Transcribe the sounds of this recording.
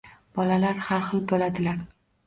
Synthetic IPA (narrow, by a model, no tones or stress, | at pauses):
b̥ɒlalaɾhaɾχɨlˠbolad̪ɪlaɾ